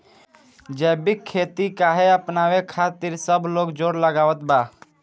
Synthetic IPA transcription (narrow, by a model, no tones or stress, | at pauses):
d͡ʒɛbikʰːet̪ikaɦeəpnawekʰat̪iɾsəbʱloːɡd͡ʒoːɾləɡaːʋət̪̚ba